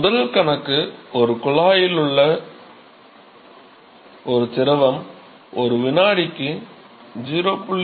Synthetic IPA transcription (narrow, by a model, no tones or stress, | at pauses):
ʊðɐlkɐɳɐkːɯɔɾɯkʊɭaːjɪlɯɭːɐ | ɔɾɯtɪɾɐʋɐm | ɔɾɯʋɪnaːɽɪkːɯ | d͡ʒɪɾoːpːʊɭː